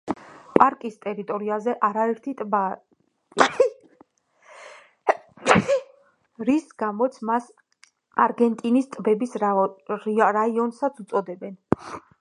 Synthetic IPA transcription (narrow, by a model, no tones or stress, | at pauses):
pʼaɾkʼist̪ʼɛɾit̪ʼɔɾiazɛʔaɾaɛɾt̪ʰit̪ʼba | ɾisɡamɔt̪sʰmas | aɾɡɛnt̪ʼinist̪ʼbɛbis | ɾaiɔnsat̪sʰut̪sʼɔd̪ɛbɛn